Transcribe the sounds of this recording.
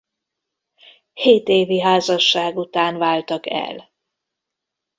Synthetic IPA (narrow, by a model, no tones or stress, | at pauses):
heːt̪eːviɦaːzɒʃːaːɡut̪aːnvaːlt̪ɒkɛ̰l